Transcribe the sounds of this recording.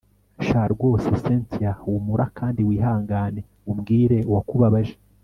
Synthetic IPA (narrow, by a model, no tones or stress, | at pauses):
ʃaɾɡwo̞ːseseːntiawumuɾʔakʰaːndiwiːɦaːŋɡane̞ | umɡiːɾe̞uwakuβaβaʒe